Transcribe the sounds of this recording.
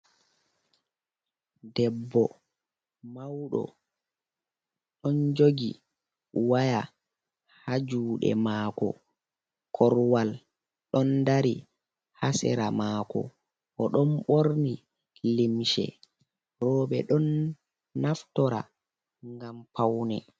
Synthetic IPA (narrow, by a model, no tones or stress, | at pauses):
dɛbːɔ | mawɗɔ̰ | ɗɔnd͡ʒoɡḭ | waja | had͡ʒuːɗɛ̰maːkɔ̰ | kʰɔɾwal | ɗɔndaɾi | hasɛ̰ɾamaːkɔ̰ | ʔɔɗɔnɓoɾni | limʃɛ̰ | ɾɔːɓɛ̰ɗɔnː | aftɔɾa̰ | ŋŋɡampawnɛ